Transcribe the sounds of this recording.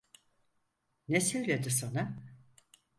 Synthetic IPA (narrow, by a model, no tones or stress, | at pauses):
nesilʲlʲed̪isona